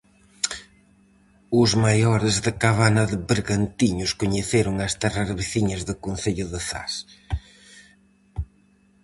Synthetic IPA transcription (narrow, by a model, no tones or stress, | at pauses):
ʊzmajɔɾɪzðɪkaβanɐðɪβɪɾɣant̪iɲʊskoɲeθeɾʊŋɐst̪ɛraɾβiθiɲɐzðɪkonθeʎʊðɪθa̰s